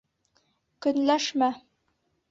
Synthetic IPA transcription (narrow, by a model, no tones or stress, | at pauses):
kɵ̆nlæʃmæ